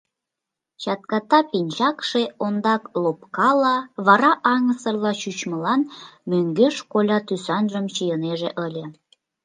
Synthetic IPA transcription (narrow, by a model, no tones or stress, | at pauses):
t͡ɕɑt̪kɑt̪ɑpinʲt͡ɕɑkʃeond̪ɑklop̚kɑlɑβɑɾɑʔɑŋəsərlɑɕyt͡ɕməlɑnmøŋɡeʃkolʲɑt̪ysɑnʒəmt͡ɕijəneʒeʔəlʲe